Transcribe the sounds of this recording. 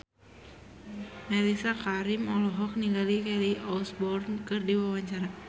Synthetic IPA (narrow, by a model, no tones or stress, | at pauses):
mɛɾisakaɾimɔlɔɦɔk̚niŋɡalikɛliʔɔlsbɔrnkɨrdiwawaɲt͡ʃaɾa